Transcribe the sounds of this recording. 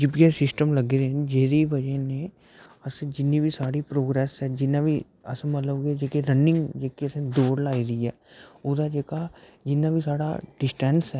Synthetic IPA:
d͡ʒɪbkesɪsʈəmlɐɡeɾed͡ʒeːɾiʋɐd͡ʒənẽ | ɐsd͡ʒɪnːibʱisaːɽipɾoːɡɾɛːsɦɛd͡ʒɪnabʱi | ɐ̰smɐt̪ləbɡed͡ʒeːkeɾɐnɪ̃ŋɡd͡ʒeːkiɐsd̪oːɾlaːiɾɐiɦɛːʊd̪ad͡ʒeːkad͡ʒɪnːabʱisaːɽa̰ɖɪsʈɛ̃ːnsɦɛː

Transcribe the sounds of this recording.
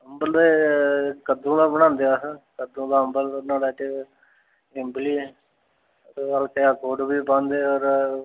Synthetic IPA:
ɦəmbəld̪eːkəd̪ũːd̪aːbəɽ̃ãːnd̪eːaːskəd̪ũːd̪aːɦəmbəlnaːɽaːʈ | ɪmbliː | alkeaːkoːɖbiːpãːnd̪eːɔːɾ

